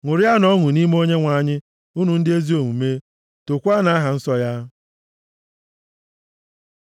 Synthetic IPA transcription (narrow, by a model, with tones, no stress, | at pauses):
ŋʷʊ˨ɾɪ˦a˦nɔ˦ŋʊ˨ni˦m˦o˦ɲe˦ŋʷa˨ɲɪ˦ | u˦nu˨n̩˦dɪ˦e˦zi˦o˨ŋu˨me˦ | to˨kʷa˦na˨˦ɦa˨n̩˦sɔ˦ja˦